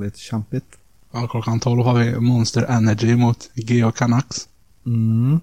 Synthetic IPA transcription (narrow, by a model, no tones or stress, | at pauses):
lɪt̪ʃɛmpɪt̪ | akʰlɔkːant̪ʰɔlvhɑːvɪmɔnst̪əɾʔɛnæd͡ʒɪmʊt̪ɡeːɔkʰanaks | m̩